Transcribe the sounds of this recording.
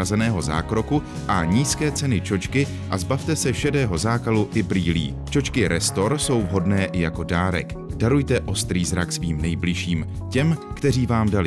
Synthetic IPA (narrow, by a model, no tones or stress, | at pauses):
azɛnɛːɦo̞za̰ːkɾo̞ku | ʔaɲiːskɛːt͡sɛnɪt͡ʃo̞t͡ʃkɪ | ʔazbaft̪ɛsɛʃɛdɛːɦo̞zaːkaluʔɪbɾiːlḭː | t͡ʃo̞t͡ʃkɪɾɛst̪o̞ɾso̞wvɦo̞dnɛːʔɪjako̞daːɾɛ̰k | d̥aɾujt̪ɛʔo̞st̪ɾiːzɾaksviːmnɛjblɪʃiːmcɛmkt̪ɛriːvaːmdalɪ